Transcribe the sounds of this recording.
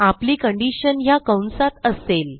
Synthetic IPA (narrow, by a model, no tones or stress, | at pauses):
apliːkəɳɖiɕənɦjakəwnsat̪əsel